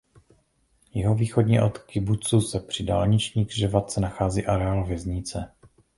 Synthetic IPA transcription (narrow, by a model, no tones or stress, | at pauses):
jɛɦo̞viːxodɲiʔot̪kɪbut͡susɛpr̝̥ɪdaːlɲɪt͡ʃɲiːɡrʒɛvat̪̚t͡sɛnaxaːziːʔaɾɛaːlvjɛzɲɪt͡sɛ